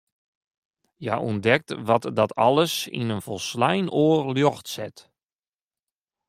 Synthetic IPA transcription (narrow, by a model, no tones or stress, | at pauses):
ja̰ʔṵndɛk̚tʋɔtdɔtʰɔ̰lˠəsḭnənfɔlˠslɛjnoːrljoxtsɪt